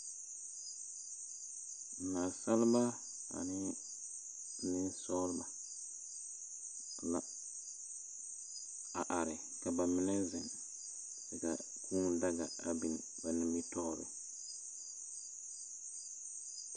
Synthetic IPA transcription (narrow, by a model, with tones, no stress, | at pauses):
na˨sa˦lba˦ | a̰˨nɪ˦ | nɪ˦nsɔː˦lba˨ | la̰˨ | a˨ʔa˨ɾɪ˨ | ka˨ba˨mɪ˦nɛ˦zɛ˨n | ɪ˨ka̰˨ | kʰuː˦ŋda˦ɡa˨a̰˨bi˨n | ba˨nɪ˨mbi˦tɔː˦ɾɪ̰˨